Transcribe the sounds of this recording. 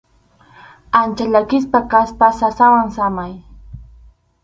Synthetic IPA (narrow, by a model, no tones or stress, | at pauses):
ant͡ʃaʎakɪspakaspasasawaŋsamaj